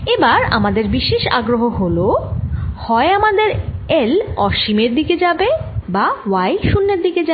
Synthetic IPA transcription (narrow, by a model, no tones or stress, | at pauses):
ebaɾa̰mad̪eɾbiʃeʃa̰ɡɾoɦoɦolo | hɔeamad̪eɾelɔʃimeɾd̪iked͡ʑabebawajʃunːeɾd̪iked͡ʑa